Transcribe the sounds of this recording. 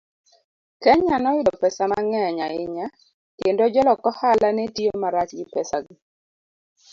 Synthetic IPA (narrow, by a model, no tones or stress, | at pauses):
kɛɲanɔjɪdɔpɛsamaŋɛɲaɪɲa | kendod͡ʒɔlɔkɔhalanɛtiomaɾat͡ʃɡɪpɛsaɡɪ